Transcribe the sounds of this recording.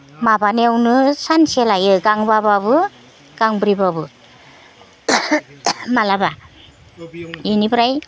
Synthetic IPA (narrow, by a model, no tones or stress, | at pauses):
mabanewnɯsanselajɯɡaŋbababɯ | ɡ̥aŋbɾibabɯ | malaba | jɯnibɾaj